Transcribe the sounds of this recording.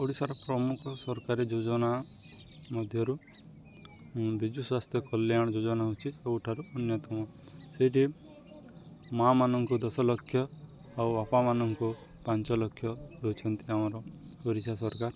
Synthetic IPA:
oɽisaɾɔpɾɔmukʰɔsɔɾkaɾid͡ʒod͡ʒɔna | mɔd̪ʱjɔɾu | bid͡ʒuswast̪ʰjɔkɔljaɽ̃ɔd͡ʒod͡ʒɔnaɦut͡ʃʰiseuʈʰaɾuɔnjɔt̪ɔmɔ | seʈi | mamanɔŋkɔd̪ɔsɔlɔkʰːjɔ | awapamanɔŋkɔ | paɲt͡ʃɔlɔkʰːjɔɾot͡ʃʰɔnt̪iamɔɾɔ | oɽisasɔɾkaɾ

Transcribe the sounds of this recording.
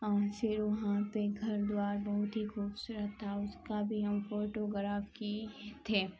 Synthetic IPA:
ɔːɾfɪɾʋɐɦãpeɡʱɐɾd̪waːɾbɐɦʊt̪ɦixuːbsuɾət̪ʰaʊskabʱiɦɐmfoːʈoɡɾaːfkit̪ʰeː

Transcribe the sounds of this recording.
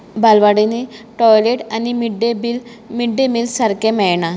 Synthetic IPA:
balʋaɽineʈɔjleʈanimiɖebil | miɖːemilsɐɾkemɛjɳa

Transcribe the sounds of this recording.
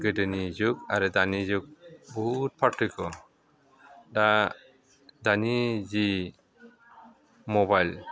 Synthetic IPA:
ɡədənid͡ʒukaɾd̪anid͡ʒuk̚bɔɦut̪̚pʰaʈʰːujkɔ | da | d̪anid͡ʒi | mɔbajl

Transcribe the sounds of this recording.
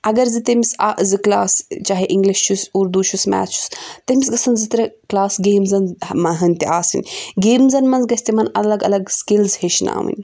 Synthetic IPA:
ɐɡɐɾzɨt̪ɐmisaːʔzɨklaːst͡ʃaːɦeʔiŋɡliʃt͡ʃʰusuːɾd̪ut͡ʃʰusmɛ̰ːt͡ʃʰu̥st̪ɐmisɡɐsɐnzit̪ɾɐklaːsɡeːmzɐnmɐɦɐnʲt̪iʔaːsɨ̰nʲɡeːmzɐnmɐnzɡɐsʲt̪imɐnɐlɐɡɐ̰lɐɡskilzheʃna̰ːʋɨ̰nʲ

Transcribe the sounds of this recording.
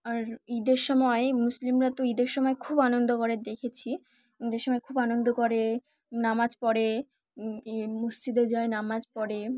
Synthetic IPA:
aɾid̪eɾʃɔmɔemuslimɾat̪oid̪eɾʃɔmɔekʰubanond̪okoɾed̪ekʰet͡ɕʰi | id̪eɾʃɔmɔekʰubanond̪okoɾe | namad͡ʑpɔɾe | musd͡ʑid̪eɾd͡ʑɔenamad͡ʑpɔɽe

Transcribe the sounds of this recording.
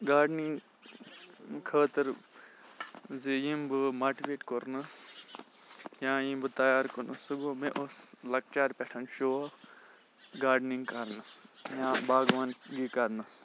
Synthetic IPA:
ɡaːɖniŋɡ | kʰəːt̪ɨɾ | zijimbɨmaʈiʋeːʈkoɾnɨs | jãːjĩmbɨt̪ɐjaːɾkonɐsɨɡomeʔoslɐk̚t͡ʃaːɾʲpʲeʈʰɐnʃuɐ | ɡaːɖniŋɡkaɾnɨsjãːbaːɡʋaːnɡikɐɾnɐs

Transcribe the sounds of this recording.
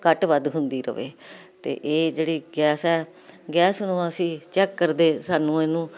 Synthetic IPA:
kəʈʋəd̪ɦʊnd̪iːɾə̰ʋḛːt̪ḛːʔeːd͡ʒeːɽiːɡɛːsɛː | ɡɛːsnũːəsĩːt͡ʃɛːkːəɾd̪eːsaːnũːeːnũː

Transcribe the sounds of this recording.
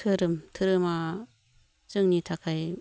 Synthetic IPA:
tʰɯɾɯmtʰɯɾɯma | t͡ʃɯŋnitʰakʰaj

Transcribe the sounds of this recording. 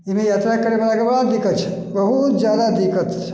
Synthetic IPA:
imẽjat̪ɾakəɾemelakəbəɽad̪ikət͡ʃʰɛ̥ | bəɦut̪d͡ʒjad̪ad̪ikət̪t͡ʃʰ

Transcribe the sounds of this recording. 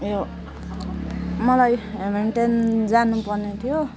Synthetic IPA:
jo | mʌlajmeɳʈend͡zanupʌrnet̪ʰijo

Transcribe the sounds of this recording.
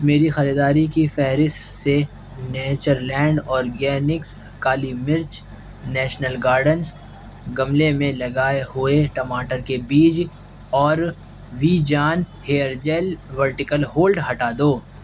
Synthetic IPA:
meːɾixɐɾid̪aːɾikifɛɦɾɪst̪se | neːt͡ʃəɾlɛ̃ːɳɖɔːɾɡɛːnɪks | kaːlimɪɾt͡ʃ | nɛːʃnəlɡaːɾɖəns | ɡɐmlemẽlɐɡaːeɦʊeʈɐmaːʈəɾkebiːd͡ʒ | ɔːɾ | ʋiːd͡ʒaːnheːəɾd͡ʒɛːlʋəɾʈɪkəlhoːlɖɦɐʈaːd̪oː

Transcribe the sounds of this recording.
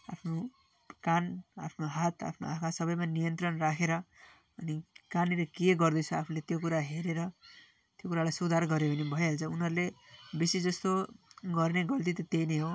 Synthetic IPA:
a̰pʰno | kana̰pʰnoɦat̪a̰pʰnoakʰasʌbʌjmanijʌnt̪rʌnrakʰeɾʌ | ʌnikaneɾʌkeɡʌrd̪ʌt͡sʰuapʰulet̪jokuɾaɦeɾeɾʌ | t̪jokuɾalajsud̪ʱarɡʌɾjeɦunebʱʌjɦelt͡sʰʌunɦʌɾulebisid͡zʌst̪oɡʌrneɡʌlt̪it̪ʌt̪ejneɦo

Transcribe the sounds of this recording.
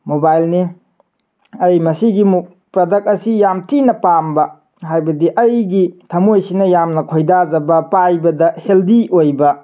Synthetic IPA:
mobajlni | ɐjmɐsiɡimu | pɾɐdɐk̚ɐsijamtinɐpambɐ | ɦajbɐdiʔɐjɡitʰɐmojsinɐjamnɐkʰojdazɐbɐpajbɐdɐheldiojbɐ

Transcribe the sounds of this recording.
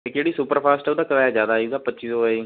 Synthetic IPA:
ekd͡ʒeːɽiːsupəɾpʰaːsʈud̪aːkəɾaːjaːd͡ʒjaːd̪aːid̪aːpətːʃizoːaiː

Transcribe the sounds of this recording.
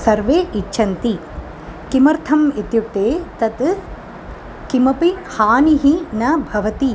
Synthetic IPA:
sɐɾʋeːʔit͡ʃːʃʰɐnt̪i | kimɐɾt̪ʰɐmit̪juk̚t̪eːt̪ɐt̪ | kimɐpihaːniɦinɐbʱɐʋɐt̪i

